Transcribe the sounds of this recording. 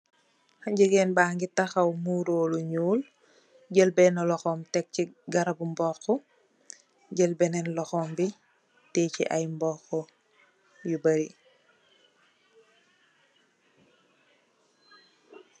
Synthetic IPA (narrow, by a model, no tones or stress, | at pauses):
haɲɟəɡɛnbaːŋɡitaxɐwmuːɾoːluɲuːl | ɟəlbɛnɔlɔxɔːmtɛk̚ciɡɐɾabumbɔːxɔ | ɟəlbɛnɛnlɔxɔːmbi | tɛːcḭʔajmbɔːxɔ | jubɐɾi